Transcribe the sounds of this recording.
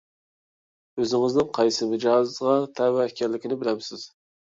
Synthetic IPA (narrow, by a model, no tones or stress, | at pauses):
øzɪŋɪznɪŋqʰɑjsɨmɪd͡ʒɑzʁɑt̪ʰɛwæɛkʲʰɛɾlɪkʲinɪbɪlɛmsɪz̥